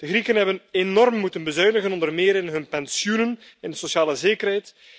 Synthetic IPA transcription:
d̥əɣrikənɦɛbənenɔrmːutənbəzœɥnəɣənɔndərmeːɾɪnɦɵnpɛnsjunən | ɪndəsosjaːləzeːkərɦɛjt

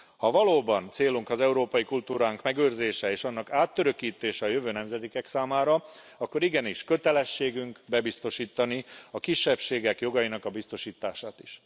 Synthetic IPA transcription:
hɒvɒloːbɒnt̪seːluŋkɒzɛuɾoːpɒjikult̪uːɾaːŋkmɛɡøːrzeːʃɛeːʃɒnːɒkaːt̪ːøɾø̞kiːt̪eːʃɛɒjøvøːnɛmzɛd̪ikɛksaːmaːɾɒ | ɒkːo̞ɾiɡɛniʃkø̞t̪ɛlɛʃːeːɡyŋkbɛbist̪o̞ʃiːt̪ɒniɒkiʃːɛpʃeːɡɛkjo̞ɡɒjinɒkɒbist̪o̞ʃiːt̪aːʃaːt̪iʃ

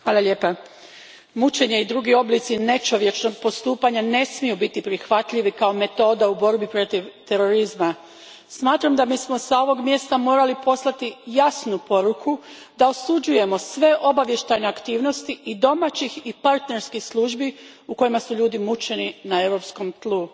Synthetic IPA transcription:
xʋaːlˠaʎe̞ːpa | mut͡ʃe̞ɲe̞id̪ɾuːɡio̞blit̪sine̞t͡ʃo̞ʋje̞t͡ʃno̞ɡ̚po̞st̪uːpaɲane̞smijubit̪ipɾixʋat̪ʎiʋikao̞me̞t̪o̞ːd̪aubo̞ɾbipɾo̞t̪iʋt̪e̞ɾo̞ɾizma | smaːt̪ɾamd̪amiːsmo̞sao̞ʋo̞ɡmje̞st̪amo̞ːɾalipo̞slˠat̪ijasnupo̞ɾukʰu | d̪ao̞sud͡ʑuje̞mo̞sʋe̞ʔo̞baʋje̞ʃt̪ajne̞akt̪iːʋno̞st̪iʔid̪o̞mat͡ɕixipaɾt̪ne̞ɾskixslˠuːʒbi | uko̞jimasuʎuːd̪imut͡ʃe̞ninae̞ʋɾo̞psko̞mt̪lˠu

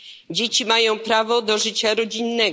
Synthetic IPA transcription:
d͡ʑet͡ɕimajɔ̃w̃pɾavɔd̪ɔʐɘt͡ɕaɾɔd͡ʑinːɛɡ

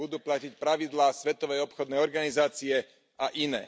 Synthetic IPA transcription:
ud̪uːplacicpɾaʋid̪laːsʋɛt̪ɔʋɛjɔpxɔd̪nɛjɔɾɡanizaːt͡siɛ | aʔinɛ̰ː

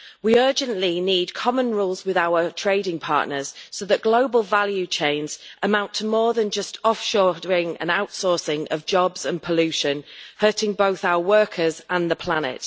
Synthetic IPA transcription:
wiɜːd͡ʒə̃nʔliniːd̚kʰɒmə̃nɹuːlˠzwɪðaʊətʰɹ̥eɪdɪ̃ŋpʰɑ̰ˑʔnəz̥soʊðəʔɡ̥loʊbəlˠvaljʉt͡ʃʰẽɪ̃nz̥ʔəmãʊ̃ntʰəmɔːðə̃nd͡ʒʌstɒfʃɔːdəɹɪ̃ŋə̰̃naʊtsɔˑsɪ̃ŋəvd͡ʒɒbz̥ə̃npʰəlʉˑʃə̃nhɜˑtɪ̃ŋboʊθaʊəwɜˑkʰəzə̃nðəpʰl̥anɪ̰t

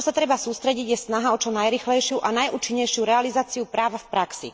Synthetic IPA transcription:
ɔsat̪ɾɛbasuːst̪ɾɛɟiɟjɛsnaɦaɔt͡ʃɔnajɾiːxlɛjʃɪuʔanajʔuːt͡ʃiɲːɛjʃɪuɾɛalizaːt͡siupɾaːʋafpɾaksḭ

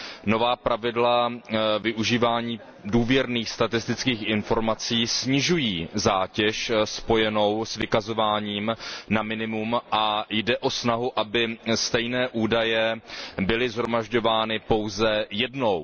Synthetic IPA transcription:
no̞vaːpɾavɪdlavɪʔuʒiːvaːɲiː | duːvjɛɾniːxst̪at̪ɪst̪ɪt͡skiːxʔɪnfo̞ɾmat͡siːsɲɪʒujiːzaːcɛʃspo̞jɛno̞wsvɪkazo̞vaːɲiːmnamɪnɪmumʔajdɛʔo̞snaɦuʔabɪst̪ɛjnɛːʔuːdajɛbɪlɪzɦɾo̞maʒɟo̞vaːnɪpo̞wzɛjɛdno̞w

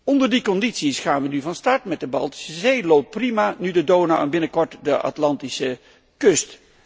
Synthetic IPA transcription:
ɔndəɹdikɔnditsisχaːnʋənyvɑnstɑɹtmɛt̚dəbɑ̰lˠti̥səzejlowp̚primaːnydədoːnaɛ̰nbɪnəkɔɹtdəʔa̰tlɑntisə | kɵst

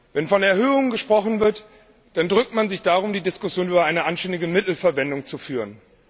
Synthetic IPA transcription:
vɛnfɔnɛɐhøːʊŋənɡəʃpʁ̥ɔχn̩vɪɐt | d̥andʁʏk̚tmanzɪçd̥aʁ̞ʊmdiːdɪskʊsjoːnʔyːbɐʔaɪnəʔanʃtɛndɪɡəmɪtl̩fɛɐvɛndʊŋt͡sufyːʁən

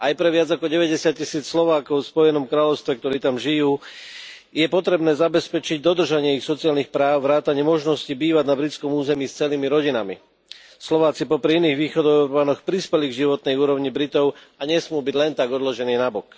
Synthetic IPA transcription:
ajpɾɛʋɪad͡zakɔɟɛʋɛɟɛsɪat̪̚cisiːt͡sslɔʋaːkɔʊfspɔjɛnɔmkɾaːʎɔʊst̪ʋɛkt̪ɔɾiːt̪amʒijuː | jɛpɔt̪ɾɛbnɛːzabɛspɛt͡ʃiɟd̪ɔd̪r̩ʒaɲɪɛixsɔt͡siaːlnixpɾaːʊʋɾaːt̪aɲɪɛmɔʒnɔscibiːʋaɟnabɾit͡skɔmuːzɛmiːst͡sɛliːmiɾɔɟinamḭ | slɔʋaːt͡sipɔpɾiiniːɣʋiːxɔd̪ɔuɾbaːnɔxpɾispɛliɡʒiʋɔt̪nɛjuːɾɔʊɲibɾit̪ɔʊ | aɲɛsmɪuːbiɟlɛnt̪aɡɔd̪lɔʒɛniːnabɔk

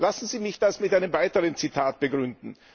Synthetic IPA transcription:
lasn̩ziːmɪçd̥asmɪtʔaɪnəmvaɪtəʁənt͡sitʰaːt̚b̥əɡʁʏndn̩

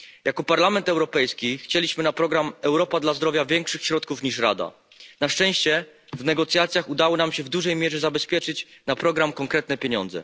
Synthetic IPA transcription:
jakɔpaɾlamɛnt̪ɛwɾɔpɛjskʲixt͡ɕelʲiɕmɘnapɾɔɡɾamɛwɾɔpad̪lazd̪ɾɔvʲjavʲjɛŋkʂɘxɕɾɔt̪̚kufɲiʂɾa̰d̪a̰ | naʂt͡ʂɛ̃w̃ɕt͡ɕɛvnɛɡɔt̪sjat̪sʲjaxud̪awɔnamɕɛvd̪uʐɛjmʲjɛʐɛzabɛspʲjɛt͡ʂɘt͡ɕnapɾɔɡɾamkɔŋkɾɛt̪nɛpʲjeɲɔ̰nd̪zɛ̰

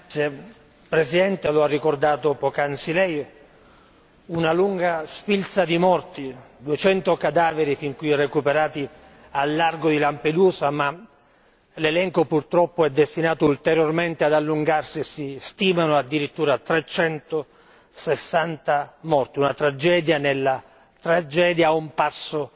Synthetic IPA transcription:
t̪sje | pɾesid̪ɛnt̪eloarːikord̪aːt̪opɔkansilɛj | unaluŋɡasfilsad̪imɔrt̪id̪uet͡ʃɛnt̪okad̪aːveɾifiŋkujrekupeɾaːt̪i | alːarɡod̪ilamped̪uːsama | lelɛŋkopurt̪ɾɔpːoɛd̪ːest̪inaːt̪oult̪ɛɾjorment̪ead̪alːuŋɡarsiesist̪iːmanoad̪ːiɾit̪ːuːɾat̪ɾet͡ʃɛnt̪o | sesːant̪amɔrt̪iunat̪ɾad͡ʒɛːd̪janelːa | t̪ɾad͡ʒɛːd̪jaumpasːo

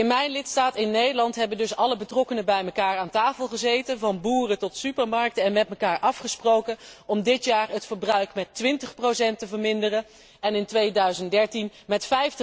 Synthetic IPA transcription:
ɪnmɛjnlɪtstaːtɪnːejdəlɑntɦɛbəndɵsɑləbətrɔkənəbɛjməkaːɹaːntaːfəlˠχəzejtənvɑnbuːrətɔtsypəɹmɑɹk̚təɛnmɛt̚məkaːɹʔɑfχəsprowkənɔmdɪtjaːɹətfəɹbrœɥkmɛtʋɪntəχprosɛntəvəɹmɪndərən | ɛnɪntʋejdœɥzəntdɛɹtinmɛtfɛjftə

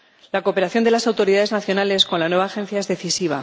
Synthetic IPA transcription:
lako̞peɾaθjo̞nd̪e̞lasawt̪o̞ɾiðaðe̞znaθjo̞nale̞sko̞nlanwe̞βaːxẽ̞n̟θjae̞zðe̞θisiβ̞a̰

